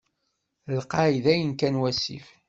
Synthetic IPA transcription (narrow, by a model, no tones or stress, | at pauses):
lqɑʕiðæjənkænwæsḭf